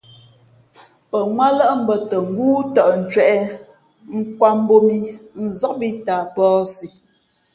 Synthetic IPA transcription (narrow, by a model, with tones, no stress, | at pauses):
pə˨ŋwa˦lə˦ʔm̩˦bə˨tə˨ŋ̩˦ɡuː˦tɔ˨ʔn̩˨t͡ʃɥɛ˦˨ʔɛ˦ | ŋ̩˦kwa˦m˦bo˦mi˦n̩˨zɔ˦k̚bi˦ta˨pɔː˦si˨